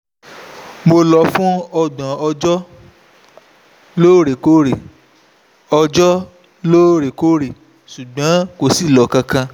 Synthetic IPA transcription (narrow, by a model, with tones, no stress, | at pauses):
mo˧lɔ˧fũ˦ɔ˧ɡ͡bã˨ɔ˧d͡ʒɔ˦ | loː˦ɾe˨ko˦ɾe˨ | ɔ˧d͡ʒɔ˦ | loː˦ɾe˨ko˦ɾe˨ | ʃu˨ɡ͡bã˨˦ko˨si˦˨lɔ˨˦kã˧kã˧